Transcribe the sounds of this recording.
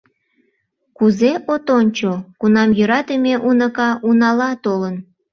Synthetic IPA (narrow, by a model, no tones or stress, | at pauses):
kuzeʔot̪onʲt͡ɕokunɑmjøɾɑt̪əmeʔunəkɑʔunɑlɑt̪olən